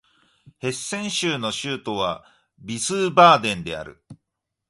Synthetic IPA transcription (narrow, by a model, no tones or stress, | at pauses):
he̞sːẽ̞ɰ̃ɕɨːno̞ɕɨːt̪o̞βa | bʲisɨːbaːd̪ẽ̞nd̪e̞a̰ɾɯ̟̰